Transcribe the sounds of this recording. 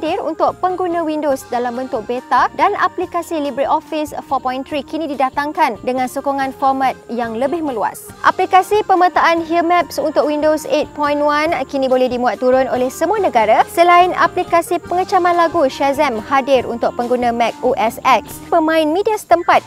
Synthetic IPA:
dɪɾṵnt̪ʊk̚pəŋɡunãwindosdalambənt̪ʊk̚bet̪adana̰plikasilibɾiʔ̪ɔfisfɔpɔjnt̪ɾikinĩdidat̪aŋkandəŋãnsokoŋãnfɔrmat̪̚jaŋləbɪhmə̃lua̰sʔa̰plikasipəmət̪aʔanɦiəmɛp̚sunt̪ʊk̚windoset̪̚pɔjnwankinĩbolɛhdimuat̪ːuɾʊnolɛhsəmuanə̃ɡaɾasəlaɪna̰plikasipəŋət͡ʃamãnlaɡuʃɛzɛmhadɪɾṵnt̪ʊk̚pəŋɡunãmɛk̚uʔɛsɛk̚spəmãɪ̃nmidiasə̥t̪əmpat̪̚

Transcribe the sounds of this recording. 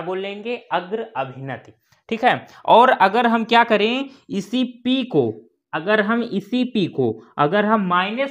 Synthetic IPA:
boːlẽːŋɡeɐɡɾɐbʱɪnət̪i | ʈʰiːkɦɛːɔːɾɐɡəɾɦɐmkjakɐɾẽɪsipiko | ɐɡəɾɦɐmɪsipiko̰ɐɡəɾɦɐmːaːɪnə

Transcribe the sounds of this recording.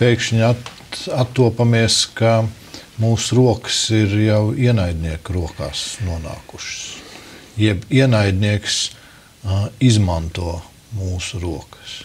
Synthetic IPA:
pʲɛjkʃɲat | at̪ːuɔpamiɛska | muːsuɾuɔkə̥siɾjawiɛnajd̪ʲniɛkɾuɔka̰ːsnuɔna̰ːkuʃsjɛbiɛnajd̪ʲniɛks | izmant̪uɔ | muːsuɾuɔkə̥s

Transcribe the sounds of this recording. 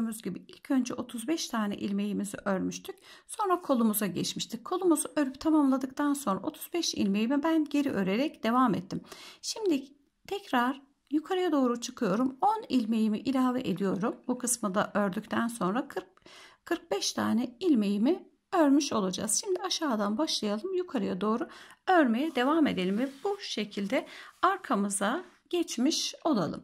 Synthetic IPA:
muzɟibiilʲcʰø̞nd͡ʒɛʔo̞t̪ʰuzbɛʃt̪ʰaːnɛ̰ʔilʲme̞jimizḭʔøɾmyʃt̪ʰycso̞nɾakʰo̞lˠumuzaɟɛt͡ʃmiʃt̪ʰickʰo̞lˠumuzuʔøɾyp̚t̪ʰamamlˠad̪ɯk̚t̪ʰanso̞nɾa̰o̞t̪ʰu̥zbɛʃḭlʲme̞jimibænɟe̞ɾiʔø̞ɾe̞ɾɛcd̪̥e̞vamɛt̪ʰːimʃimd̪ɪ | t̪ʰɛcɾaɾ̥ | jukʰaɾajad̪o̞ːɾut͡ʃʰɯkʰɯjo̞ɾumonilʲme̞jimiʔilʲaːvɛ̰ʔed̪ijo̞ɾumbukʰɯsmɯd̪a̰ʔøɾd̪yct̪ʰænso̞nɾakɯ | kʰɯɾk̚bɛʃt̪ʰaːnɛilʲme̞jimi | øɾmyʃo̞lˠad͡ʒa̰z̥ʃimd̪iaʃaːd̪anbaʃlˠajalˠɯmjukʰaɾajad̪o̞ːɾuøɾme̞jɛd̪e̞vame̞d̪e̞lʲimvɛbuʃe̞cʰilʲd̪ɛaɾkʰamɯzaɟ̥ɛt͡ʃmiʃo̞lˠa̰lˠɯ̰m

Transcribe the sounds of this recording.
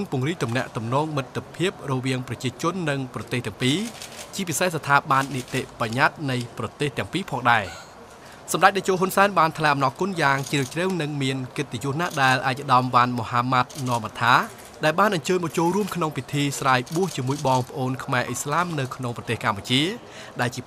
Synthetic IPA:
ɨŋpŭəŋriːk̚t̪umnɛ̆əʔt̪umnɔːŋmɨt̪ʰːəpʰiəp̚rɔʋiəŋprɑt͡ɕiət͡ɕʊ̆ənːɨŋprɑt̪eːht̪ɛ̆əŋpiːt͡ɕiəp̬isehsat̪ʰaːɓanːit̪eʔpaɲat̪̚nɨjprɑt̪eːht̪ɛ̆əŋpiːpʰɑːŋɗaɛ | sɑmɗac̚ɗaɛt͡ɕoːɦunsaɛnɓaːnt̪ʰlaɛʔɑmnɑːkʊ̆ənjaːŋt͡ɕriːət͡ɕrəwnɨŋmiənkɨt̪ːejŭəhnaʔɗaɛlʔaːc̚əɗɑmʋanmohaːmat̪̚nɔ̆əmʔat̪ʰaː | ɗaɛlɓaːnʔɑɲt͡ɕəːɲɓɑt͡ɕoːlruəmkʰnoŋpit̪ʰiːsraːjɓuəht͡ɕiəmuəjɓɑːŋpə̆ʔoːnkʰmaɛʔislaːmnɨwkʰnoŋprɑt̪eːhkamput͡ɕiə | ɗaɛlt͡ɕiə

